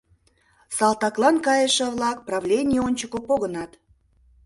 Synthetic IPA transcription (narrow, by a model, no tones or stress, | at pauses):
sɑlˠt̪ɑklˠɑnkɑjəʃə̆vlˠɑkprɑvlʲenʲijəonʲt͡ɕəkopoɣənɑt̪